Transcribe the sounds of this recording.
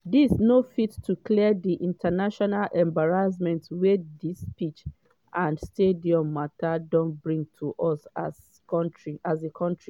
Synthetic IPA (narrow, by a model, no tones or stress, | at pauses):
disnofittːuklidiʔĩntʰanaʃɔnalʔɛ̃mbaɹazmɛ̃ntwedispit͡ʃ | ʔãndstediɔ̃mːatadɔ̃ntbɹĩŋtʰuʔɔsa | tɹiazekʰɔ̃ntɹi